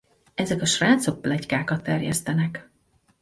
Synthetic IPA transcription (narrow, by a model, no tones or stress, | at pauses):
ɛzɛkɒʃraːt̪so̞k̚plɛckaːkɒt̪ːɛrjɛ̰st̪ɛnɛk